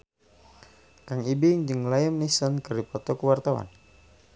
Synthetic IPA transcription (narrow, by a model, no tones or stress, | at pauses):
kaŋibiŋd͡ʒəŋlajəmnisɔnkəripɔt̪ɔkəwart̪awa̰n